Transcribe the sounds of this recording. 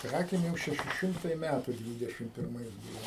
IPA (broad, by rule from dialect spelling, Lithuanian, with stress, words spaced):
ˈkrɑːkʲeːm ˈjɛʊ ʃʲɛˈʃʲɪ ˈʃʲɪmtɐɪ ˈmʲætʊ ˈdʲʋʲiːdʲɛʃʲɪm pʲɪrˈmɐɪs ˈbuːʋoː